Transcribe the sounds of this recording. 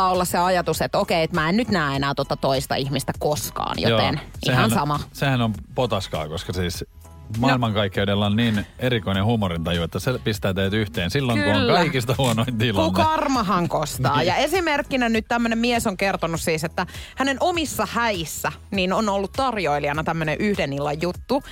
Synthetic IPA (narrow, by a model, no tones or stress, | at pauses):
ɑːolːɑsseɑjɑt̪uset̪ːokeːet̪mæːennyt̪næːenæːt̪uot̪ːɑt̪oist̪ɑ̰ihmist̪ækoskɑ̰ːnjo̰t̪ḛnʔiehænsɑmɑsehænompot̪ɑskɑ̰ːkoskɑsiːs | mɑilmɑŋkɑikːeudelːɑonniːnerikoinehumorint̪ɑjuet̪ːæsepist̪æːt̪eht̪yht̪eːnsilːoŋŋkuoŋːkɑikist̪ɑhuonoint̪ilkukɑrmɑɦɑŋkost̪ɑːjɑesimerkːinænyt̪t̪æmːønemmiesoŋkert̪onussiːset̪ːæhænenʔomisːɑhæisːæninonolːut̪t̪ɑrjoiliɑnɑt̪æmːøneʔyhdenilːɑjjut̪ːu